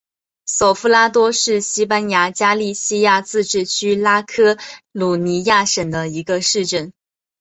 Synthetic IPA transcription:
so˨˩ʊfu˥la˥t̪wɔ˥ʂɻ̩˥˩ɕi˥pa˥nja˧˥t͡ɕja˥li˥˧ɕi˥ja˥˧t͡sɹ̩˥˧ʈ͡ʂɻ̩˥˩t͡ɕʰy˥la˥kʰɤ˥lu˨˩ni˧˥ja˥˩ʂə˨˩ŋd̪ə˦i˧˥ɡə˧ʂɻ̩˥˧ʈ͡ʂə˥˩n

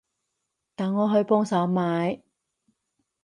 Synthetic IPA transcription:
t̪aː˨nŋɔː˨˧ɦɵ˨˧ɥpɔː˥ŋsa˨˥wmaː˨˥j

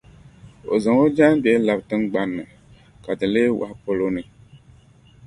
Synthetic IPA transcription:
o̰˨zɨ˨ŋo˦d͡ʒa˦nbɛ˦la˨btɨ˦nɡ͡ba˨nːɨ˨ | ka˨dɨ˨leː˦wa̰˨hpo˦lo˦nɨ˨

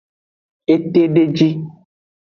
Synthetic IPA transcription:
e˦t̪e˦ɖe˦d͡ʒi˦

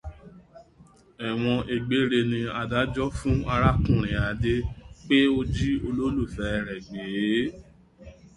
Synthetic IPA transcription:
ɛ˨w̃ɔ̃˧ʔe˨ɡ͡be˨˦ɾe˧nĩ˧a˧da˦d͡ʒɔ˦fũ˦a˧ɾa˦˨kũ˨ɾ̃ĩ˨a˨˦de˦k͡pe˦o˦d͡ʒi˦o˧lo˦lu˦˨fɛ˨˦ɛ˧˨ɾɛ˨ɡ͡beː˨˦

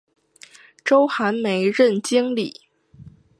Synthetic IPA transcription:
ʈ͡ʂo˥ʊxa˧˥nme˧˥ɪɻə˥˩nt͡ɕi˥ŋli˨˩˦

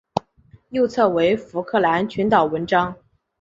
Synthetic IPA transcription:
jo˥˧ʊt͡sʰɤ˥˩we˧˥ɪfu˧˥kʰɤ˥˩la˧˥nt͡ɕʰy˧˥nt̪ɑ˨˩ʊwə˧˥nʈ͡ʂɑ˥ŋ

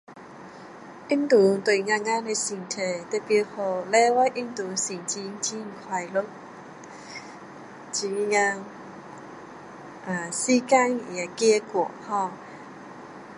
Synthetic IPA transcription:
ʔi˦˥nt̪u˨˦t̪we˧˩˨jŋa˧ŋa˧˥ne˧si˨˩ŋt̪ʰe˧˩t̪e˧˥pi˧ho˧˩lɛ˧˦wa˧˥˦jʔi˦˥nt̪u˨˦si˨˩ŋt͡ɕi˧˦t͡ɕi˧˦ŋ̩˨kʰwa˨˧˩jlo˧˥k̚ | t͡ɕi˨˧ŋa˧ŋ | ʔa˨˩si˦ka˦˧ŋi˨a˧˩kɛ˧˥ku˨˩˨ʔhɔ˧˩

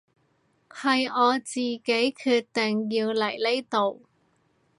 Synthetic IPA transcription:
hɐ˨jɔː˨˧t͡siː˨˩ke˨˥jkʰyː˧t̚t̪ɪ˨ŋjiː˧wlɐ˨˩jle˥jt̪o˨w

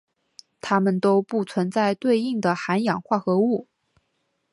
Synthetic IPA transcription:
t̪ʰa˥mə˨nt̪o˥ʊpu˥˩t͡sʰwə˧˥nt͡sa˥˧ɪt̪we˥˧ɪi˥˩ŋd̪ə˩xa˧˥njɑ˨˩ŋxwa˥˩xɤ˧˥u˥˩

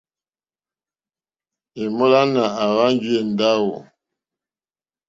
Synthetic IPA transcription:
e˨mo˦la˦na˨a˨wa˦ŋɡi˦e˨n˨da˦wo˨

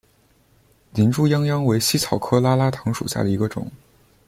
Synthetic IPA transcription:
ni˧˥nʈ͡ʂu˥˧jɑ˥ŋjɑ˥ŋwe˧˥ɪɕi˥t͡sʰɑ˨˩ʊkʰɤ˥la˥la˥t̪ʰɤ˧˥ŋʂṵ˨˩ɕja̰˥˩d̪ə˩i˧˥ɡə˧ʈ͡ʂʊ̰˨˩˦ŋ

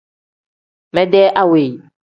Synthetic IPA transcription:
mɛ̃˦dɛ˦ʔa˦we˨j

